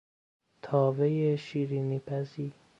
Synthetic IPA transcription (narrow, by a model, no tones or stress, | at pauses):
t̪ʰɒːvejeʃiːɾiːnipʰæziː